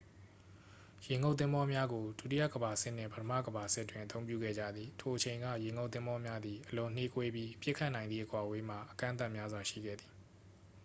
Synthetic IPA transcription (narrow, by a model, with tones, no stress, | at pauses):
jẽ˨ŋo˦ʊt̪θɪ̃˦mbɔ˦mja˦ɡo˨du˦˨tḭ˦jä̰˦˨ɡəba˨sɪ̰˦ʔn̥ɪ̰̃˦˨pətʰə˦mä̰˦˨ɡəba˨sɪ˦ʔtːwɪ̃˨ʔət̪õ˦ʊ̃mpjṵ˦˨ɡɛ̰˦˨d͡ʑä̰˦˨d̪ði˨tʰo˨ʔət͡ɕʰẽ˨ɪ̃ŋɡä̰˦˨jẽ˨ŋo˦ʊt̪ɪ̃˦mbɔ˦mja˦d̪ði˨ʔəlʊ̃˨n̥e˦kwe˦bji˦pjɪ˦ʔkʰːa˦ʔnã˨ɪ̃nd̪ðḭ˦˨ʔəkwa˨we˦m̥a̰˦˨ʔəkã̰˦ʔnt̪a˦˨ʔmja˦zwa˨ʃḭ˦˨ɡɛ̰˦˨d̪ði˨